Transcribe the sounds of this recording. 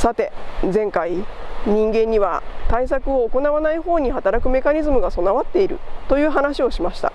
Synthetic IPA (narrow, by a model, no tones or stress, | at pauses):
sat̪e̞zẽ̞ŋkaiɲ̟ĩŋɡẽ̞ɲ̟ːiβa̰t̪ais̬akɯ̟o̞ːko̞naβanaiho̞ːɲ̟iɦat̪aɾakɯ̟me̞kaɲʲizɨmɯɡaso̞naβat̪ːe̞iɾɯ̟̰t̪o̞jɯ̟ːɦanaɕio̞ɕimaɕi̥t̪a̰